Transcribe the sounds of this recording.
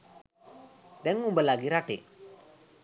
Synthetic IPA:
deŋumbəlaɡiɾaʈḛ

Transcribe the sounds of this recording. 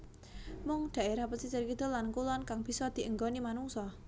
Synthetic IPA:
mʊŋd̪̥a̤ʔeɾahpəsisərkid̪ɔ̤lankulɔnkaŋb̥i̤sɔd̪̥i̤ʔəŋɡɔnimanuŋsɔ

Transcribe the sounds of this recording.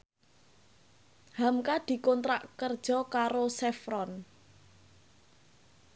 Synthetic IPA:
hamkad̪̥i̤kɔnt̪ɾaʔkərd̥ʒ̥ɔ̤kaɾosɛfɾɔn

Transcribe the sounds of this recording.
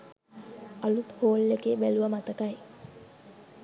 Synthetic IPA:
alut̪hoːlːekeːbæluʋəmat̪əkaj

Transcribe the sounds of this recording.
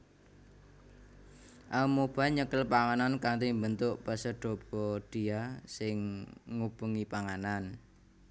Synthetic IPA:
ʔamob̥aɲəkəlpaŋanankaŋt̪imbənt̪ʊʔpəsəɖ̥ɔ̤b̥ɔɖ̥i̤asɪŋːub̥uŋipaŋanan

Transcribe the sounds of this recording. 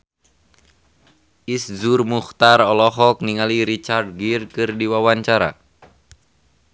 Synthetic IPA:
iszurmuxt̪arɔlɔɦɔk̚niŋaliɾit͡ʃard̪̚ɡirkɨrdiwawaɲt͡ʃaɾa̰

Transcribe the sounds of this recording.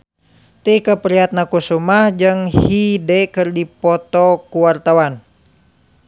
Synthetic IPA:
t̪ikəpəɾiat̪̚nakusumahd͡ʒɨŋhhidɛkɨrdipɔt̪ɔkuwart̪awan

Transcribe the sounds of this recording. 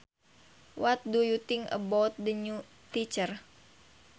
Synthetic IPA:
wat̪̚dujut̪ɪŋə̰bɔt̪̚dəɲu | t̪it͡ʃər

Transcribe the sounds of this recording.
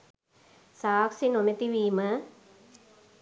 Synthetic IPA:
saːksinonet̪iʋiːmə

